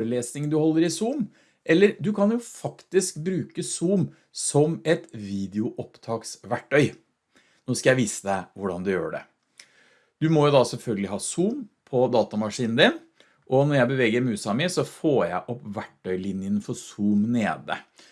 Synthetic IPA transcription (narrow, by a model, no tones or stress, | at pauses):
ɾəleːsnɪŋnd̪ʉhɔlːəɾɪsuːm | ʔɛlːəɾd̪ʉkʰɑnjʊfɑkt̪ɪskbɾʉːkəsuːm | sɔmɛt̪ʋiːd̪ɪʊʔɔpt̪ʰɑːksʋæʈʰːœʏ | noːskɑjæɪʋiːsəd̪ɛʋʊɖɑnd̪ɛjø̰ːɖɛ̰ | d̪ʉmɔjʊd̪ɑsɛlfœlɡəlɪhɑːsuːmpʰɔd̪ɑːt̪ɑmɑʂiːnn̩d̪ɪn | ʔɔnɔɾjæɪbəʋɛːɡəɾmʉːsɑmɪsɔfoːjæɪʔɔpːʋæʈːœʏlɪnjənfɔɾsuːmnḛːd̪ə̰